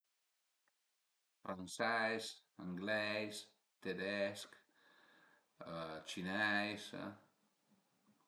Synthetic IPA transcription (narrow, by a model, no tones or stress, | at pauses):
fɾansɛjs | əŋɡlɛjs | t̪ed̪ɛsk | ət͡ʃinɛjs